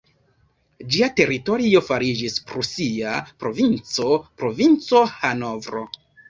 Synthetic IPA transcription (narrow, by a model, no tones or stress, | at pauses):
d͡ʒiate̞ɾito̞ɾio̞faɾid͡ʒispɾosiapɾo̞vint͡so̞pɾo̞vint͡so̞hano̞vɾo̞̰